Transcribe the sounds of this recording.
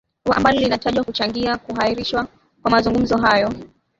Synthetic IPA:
a̰mbalɔlinataʄwakut͡ʃaŋɡiakuɦaiɾiʃwa | kwamazuŋɡum̩zɔɦajɔ

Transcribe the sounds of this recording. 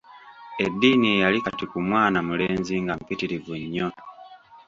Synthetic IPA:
e̞dːiːniejalikatikumwaːnamule̞ːnziŋɡam̩pitiɾivuɲːo

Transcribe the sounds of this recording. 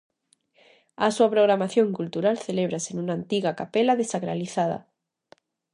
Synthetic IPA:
asuapɾoɣɾamaθjõŋkult̪uɾalθeleβ̞ɾasenũnaːnt̪iɣakapelaðesaɣɾaliθaða̰

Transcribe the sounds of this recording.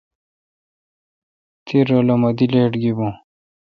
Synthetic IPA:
t̪ʰiɾolomɐd̪ileːʈɡibõ

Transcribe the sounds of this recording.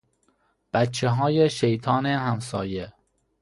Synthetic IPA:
b̥æt̪t͡ʃʰeɦɒːjeʃejt̪ʰɒːnehæmsɒ̰ːje

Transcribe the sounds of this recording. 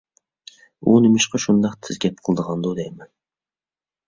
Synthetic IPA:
unɪmɪʃqʰɑʃund̪ɑqt̪ʰɪzɡʲɛp̚qʰɨlˠd̪əʁɑnd̪ud̪ejmɛn

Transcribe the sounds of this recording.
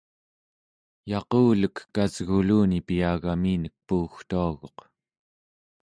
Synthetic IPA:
jɑquːləkːazɣuluːnipiaːɣamiːnək̚puːxt̪uaɣo̞q

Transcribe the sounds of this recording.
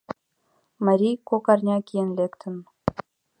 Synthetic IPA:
mɑ̆ɾʲijkokɑrnʲɑkʲijenlʲekt̪ʰə̆n

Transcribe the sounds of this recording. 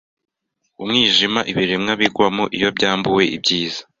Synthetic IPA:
umŋiːʒimaʔiβiɾemŋaβiɡwamoʔijo̞bɟaːmbuwe̞ḭbɟiːzḁ

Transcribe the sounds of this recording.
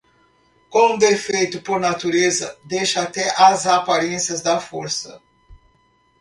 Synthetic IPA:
kõd̪efejt̪ʊpoɾnat̪uɾezɐd̪ejʃɐat̪ɛʔɐzapaɾẽsiɐzd̪ɐfoɾsɐ

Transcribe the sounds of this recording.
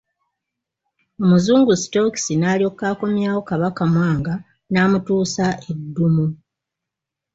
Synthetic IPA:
o̞muzuːŋɡusto̞ksinaːlio̞kːaːko̞mjaːwo̞kaβakamwaːŋɡa | naːmutuːsaʔe̞dːumu

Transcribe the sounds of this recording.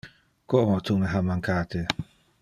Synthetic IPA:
koʔmat̪ʰumeɦamaŋkat̪e

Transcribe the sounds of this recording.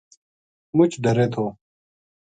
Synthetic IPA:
mʊt͡ʃʰɖɐɾet̪ʰoː

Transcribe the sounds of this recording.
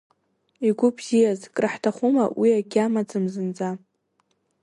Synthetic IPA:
iɡʷʊbz̥ijazkʼraħtʰaχuma̰wiaɡʲamad͡zɨmzɨnd͡za

